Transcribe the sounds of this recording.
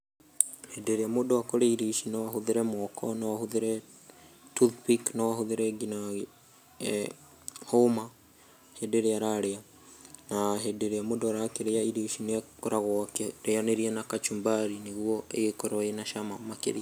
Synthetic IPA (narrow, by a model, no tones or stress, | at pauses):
hedeɾeamodowakoɾeiɾiʃinɛwaɦoðeɾɛmwɔkʰɔnɔwahoðeɾɛ | tuðpiknawahoðeɾɛɡinaɣ | homa | hedeɾeaɾaɾea | naɦedeɾeamoːdoaɾakeɾeaiɾiʃineakoɾaɣɔakeɾeaneɾiɛnakat͡ʃumbaɾineɣuɔeɣekɔɾɔenaʃamamakḛɾi